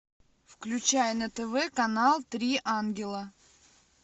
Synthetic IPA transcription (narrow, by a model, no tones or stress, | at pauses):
fklʲʉt͡ɕæjənət̪ɛvɛkɐnalˠt̪ɾʲiʔanɡʲɪlˠə